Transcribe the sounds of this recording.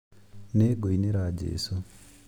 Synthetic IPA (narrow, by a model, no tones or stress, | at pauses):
neɡoineɾaːd͡ʒḛːso